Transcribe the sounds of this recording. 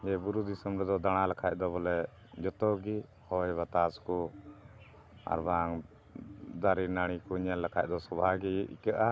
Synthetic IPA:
jɛbuɾud̪ʱisɔmɾɛd̪ɔd̪aɽ̃alakʰajʔd̪ɔbɔlɛ | d͡ʒɔt̪ɔɡi | hɔjβat̪askɔ | a̰ɾbaŋ | d̪aɾinaɽ̃ikɔɲɛlːakʰaʔd̪ɔsɔbʱaɡiḭkəʔa

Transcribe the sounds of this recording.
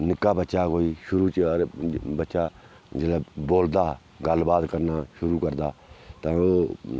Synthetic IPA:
nɪkaːbətːʃaːkoːiːʃʊɾuːt͡ʃəɾbətːʃaː | d͡ʒələboːld̪aː | ɡəlbaːd̪kəɾnaːʃʊɾuːkəɾd̪aːt̪ãːoː

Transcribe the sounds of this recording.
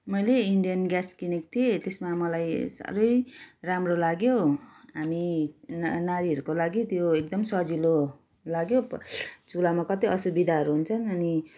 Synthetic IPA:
mʌjleiɳɖijʌnɡjaskinik̚t̪ʰiet̪esmamʌlajsa̰ɾʌjramrolaɡjoɦami | naɾiɦʌɾukolaɡit̪joek̚d̪ʌmsʌd͡zilo | laɡjod͡zulamakʌt̪iʌsubid̪ʱaɦʌɾuɦunt͡sʰʌnʌni

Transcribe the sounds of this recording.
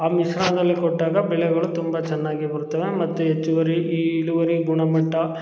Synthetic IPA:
aːmisɾaːnɐd̪ɐlːikɔʈːaːɡɐbɛɭɛɡɐɭut̪umbɐt͡ʃɛnːaːɡibɐɾut̪ːɐːʋemɐt̪ːuɦet͡ʃːuʋɐɾiiːluʋɐɾiɡuɳɐmɐʈːɐ

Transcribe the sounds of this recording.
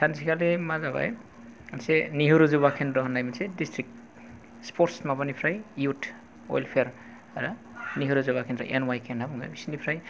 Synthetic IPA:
sʰansʰikʰalemazaβa̰j | anseniɦuɾuzuβakʰenɾɔɦɔnajminsedistʰɾik̚ | spʰɔɾtsmabanipʰɾajjutʰ | ɔ̰jlpʰeɾ | aɾa | niɦuɾuzubakʰenɾɔ̰ʔenwajkʰenabuŋɡa̰bisinipʰɾaj

